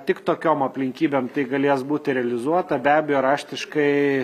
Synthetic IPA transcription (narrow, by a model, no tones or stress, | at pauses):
t̪ʲɪkt̪oːkʲoːmɐpʲlʲɪŋʲkʲiːbʲeːmt̪ɐɪɡɐlʲeɛsbuːt̪ʲɪɾʲɛɐlʲɪzuɔt̪ɐbʲæːbʲɛjoːɾɑːʃʲt̪ʲɪʃkɐɪ